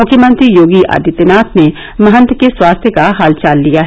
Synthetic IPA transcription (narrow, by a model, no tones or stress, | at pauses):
mʊkʰjəmə̃nt̪ɾijoːɡiʔa̰ːd̪it̪enaːt̪ʰne | mɐɦə̃nt̪keswaːst̪ʰjəkaɦaːlt͡ʃaːlːijaɦɛ